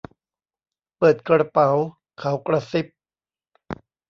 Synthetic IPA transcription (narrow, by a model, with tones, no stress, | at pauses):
pɤː˨˩t̪̚kɾa˧pa˩˦w | kʰa˩˦wkɾa˧si˦˥p̚